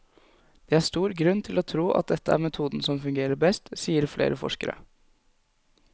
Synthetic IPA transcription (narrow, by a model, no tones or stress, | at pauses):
d̪̥ɛæʂt̪uːɾɡɾʉnt̪ʰɪlot̪ʰɾuːʔɑ̰t̪̚d̪ɛt̪ːəæ̰ɾmɛt̪ʰuːd̪n̩sɔmfʉŋɡeːɾəɾbɛst̪siːəɾflʔḛːɾəfɔ̰ʂkəɾə̰